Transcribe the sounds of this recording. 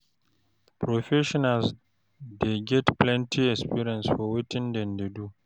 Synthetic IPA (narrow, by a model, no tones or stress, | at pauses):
pɾɔɸɛʃɔnals | deɡʲɛtplɛntʰiɛspiɾɛnsfɔwɔtɪndɛndedu